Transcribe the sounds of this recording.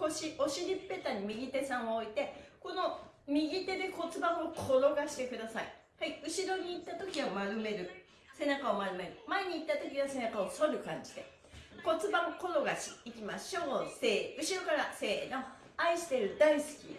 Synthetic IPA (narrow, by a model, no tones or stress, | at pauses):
koɕiʔo̞ɕiɾʲipːe̞t̪aɲ̟imʲiɡʲit̪e̞sãɰ̃ooit̪e̞ko̞no̞ | mʲiɡʲit̪e̞d̪e̞ko̞t͡sɨbãɰokʰo̞ɾo̞ɡaɕi̥t̪e̞kɯ̟d̪asaḭ | haiɯ̟ɕiɾo̞ɲ̟iːt̪ːat̪o̞kʲiβamaɾɯme̞ɾɯ̟ | se̞nakao̞maɾɯ̟me̞ɾɯ̟maeɲ̟iːt̪ːat̪o̞kʲiβase̞nakaosoɾɯ̟kã̰ɲ̟d͡ʑid̪e̞ | ko̞t͡sɨbãoko̞ɾo̞ɡaɕiːkʲimaɕoːse̞ːɯ̟ɕiɾo̞kaɾase̞ːno̞ | aiɕi̥t̪e̞ɾɯ̟d̪aisɨ̥kʲḭ